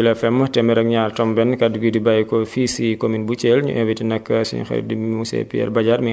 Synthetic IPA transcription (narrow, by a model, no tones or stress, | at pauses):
ilɛfɛmːəhtɛmɛɾɐk̚ɲaːrtɔmbɛnkɐduɡidibajikɔfisikɔminbut͡ʃɛlɲṵʔɛwitinɐkːəsḭɲṵxɛ̰ɾɛ̰dimusɛ̰pḭɛ̰rbɐɟarmi